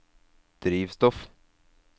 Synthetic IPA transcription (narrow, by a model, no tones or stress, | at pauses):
d̪̥ɾiːvst̪ɔf